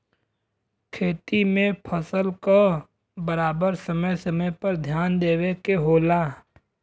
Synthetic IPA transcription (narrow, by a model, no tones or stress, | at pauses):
kʰeːt̪imẽpʰəsəlka | bəɾaːbəɾsəməjsəməjpəɾd̪ʱjaːnd̪eːwekeɦoːlaː